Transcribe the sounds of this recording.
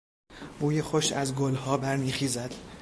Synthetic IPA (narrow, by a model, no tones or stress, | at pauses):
buːjexoʃæzɡolhɒːbæɾniːxiːzæd̪̥